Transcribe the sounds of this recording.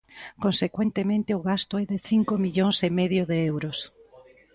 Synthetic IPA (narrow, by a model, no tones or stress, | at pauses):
konsekwent̪emẽnt̪eʊɣast̪ʊɛðeθiŋkomiʎoŋsemeðjoðeewɾos